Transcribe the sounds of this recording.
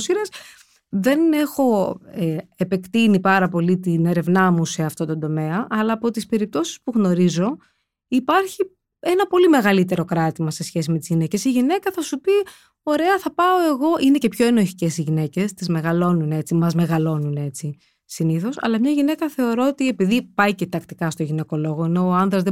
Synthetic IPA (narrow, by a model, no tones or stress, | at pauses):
siɾɐs | ðe̞ne̞xo̞eepe̞kt̪inipɐɾɐpo̞lit̪ine̞ɾe̞vnɐmuse̞ɐft̪o̞t̪o̞nd̪o̞me̞ɐʔɐlɐːpo̞t̪ispe̞ɾip̚t̪o̞si̥spuɣno̞ɾizo̞ | ipɐɾçi | e̞nɐpo̞lime̞ɣɐlit̪e̞ɾo̞kɾɐt̪imɐse̞sçe̞s̬imet̪izʝine̞ce̞siʝine̞kɐθɐsupi | o̞ɾe̞ɐθɐpɐo̞e̞ɣo̞ʔinece̞pço̞enoçi̥ce̞siʝine̞ce̞st̪izme̞ɣɐlo̞nunet͡simɐzme̞ɣɐlo̞nune̞t͡si | siniθo̞sɐ̰lɐmɲɐʝine̞kɐθe̞o̞ɾo̞ot̪ie̞piðipɐicet̪ɐkt̪i̥kɐst̪oʝine̞ko̞lo̞ɣo̞ineoɐnðɾɐzðe